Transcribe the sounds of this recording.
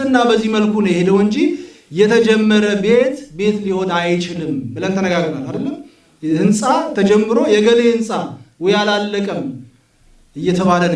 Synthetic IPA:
ɨnːabəzːiməlkʰunəjhed̪əwɨɲd͡ʒijɛt̪ʰəd͡ʒɛmːəɾəbe̞t̪be̞t̪liho̞najt͡ʃɪlɨmbɨlənt̪ʰənəɡaɡɾnalad̪əlːəm | hɨnsʼat̪ʰəd͡ʒɛmːɨɾo̞jɛɡəlehɨnsʼawɔjalalːəkʼəm | ɨjːɛt̪ʰəβalən

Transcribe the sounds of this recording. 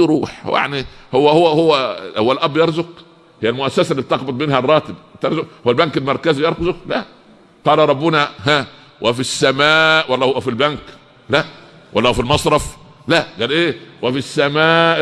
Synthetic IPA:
ɾuːħja̰ʕnihowːæhowːæhowːæhowːælʔæbːjɑɾˤzʊq | hejːælmʊʔæsːæsælːiːb̚t̪ɑqbɑt̪ˤmiːnhærˤːɑːt̪ɪb̚t̪eɾˤzʊkhowælbæŋkelmɑɾˤkæzijɑɾˤkɑzolæ | t̪ˤɑːlɑɾˤɑbːʊnæɦæ | wʔæfisːæmæːʔwælːæwæfilbæŋk | læʔ | wʔælːæwæfilmɑsˤɾˤɑf | læʔɡæːlʔeːwæfisːæmæːʔ

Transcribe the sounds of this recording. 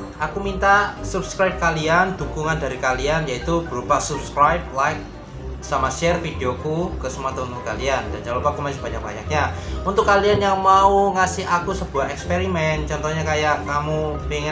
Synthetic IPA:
ʔakumint̪asupskɾajp̚kaliand̥ukuŋandaɾikalianjait̪ub̥əɾubahsupskɾajp̚lajk̚ | samaʃɛrfideokukəsəmuat̪ɔunt̪ʊkːaliand̥and͡ʒalupakumasɪhb̥aɲak̚ba̰ɲak̚ɲaunt̪ʊkːalianjaŋmauŋasɪɦakusəb̥uaɦɛkspeɾimɛnt͡ʃɔnt̪ɔɲakajaʔkamupeŋ

